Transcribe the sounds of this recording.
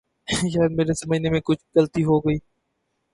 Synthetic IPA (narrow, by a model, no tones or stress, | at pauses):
ʃ̬aːjəd̪̚meːɾesɐməd͡ʒnemẽkʊt͡ʃʰɡɐlt̪iɦoɡəiː